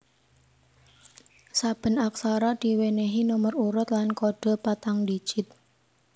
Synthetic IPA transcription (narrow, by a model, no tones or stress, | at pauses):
sab̥ə̤nak̚saɾad̪̥i̤weneɦinuməruɾʊt̪lankoɖ̥ɔ̤pat̪aŋdi̥ʒ̥ɪt̪̚